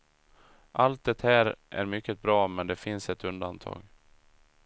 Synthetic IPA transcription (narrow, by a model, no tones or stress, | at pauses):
ʔalt̪̚d̪ɛt̪hæːɾʔæ̰ɾmʏkːət̪̚bɾɑːmɛnd̪ɛfɪnsɛt̪ɵnd̪ant̪ʰɑ̰ːɡ